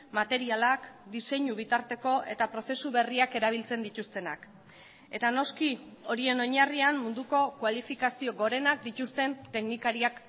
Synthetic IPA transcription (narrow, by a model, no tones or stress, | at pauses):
mat̪e̞ɾialakd̪ise̞ɲuβ̞it̪aɾt̪e̞ko̞ʔe̞̰t̪apɾo̞se̞suβe̞riake̞ɾaβ̞ilt͡se̞nd̪it̪ust̪e̞na̰k | e̞t̪ano̞skio̞ɾie̞no̞ɲarianmund̪uko̞kwalifikasio̞ɣo̞ɾe̞nak̚d̪it̪ust̪e̞nt̪e̞knikaɾiak